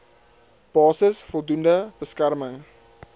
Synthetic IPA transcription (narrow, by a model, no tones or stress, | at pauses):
b̥ɑːsəsfɔlˠdundəb̥əskærməŋ